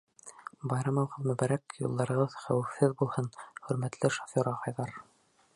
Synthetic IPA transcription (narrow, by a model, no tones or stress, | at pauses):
bɑjɾɑmɑwʁɤðmɵ̆bæɾækjṵlˠd̪ɑɾɤ̆ʁɤðχæwɘfhɘðbulˠhɤnχɵ̆ɾmæt̪lɘʃofʲoɾʁɑqɑjðɑɾ